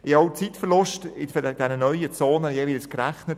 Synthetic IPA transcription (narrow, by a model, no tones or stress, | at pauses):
ɪɑwt͡sitfərlʊʃtɪd̥ɛnənœʏət͡soːnəjeːvilskɾæχnət